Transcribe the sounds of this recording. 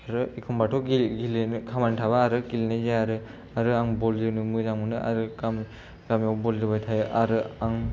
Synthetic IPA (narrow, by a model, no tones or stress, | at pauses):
aɾɯikʰɯmbatʰɔɡiɡilnkʰamantʰabaːɾɯkilinɯzaaɾɯ | aɾɯaŋbɔld͡ʒɯnɯmɯzaŋmɯnɯa̰ɾɯkam | kamjawbɔlidɯbajtʰajɯʔaɾɯaŋ